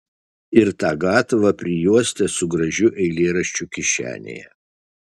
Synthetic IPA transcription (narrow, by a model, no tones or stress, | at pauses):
ɪɾt̪ɑːɡɑːt̪ʋɐpʲɾʲɪjuɔsʲt̪ʲɛsʊɡɾɐʒʲʊʔɛɪlʲeːɾɐʃʲt͡ʃʲʊkʲɪʃʲæ̰ːnʲḛːjɛ̰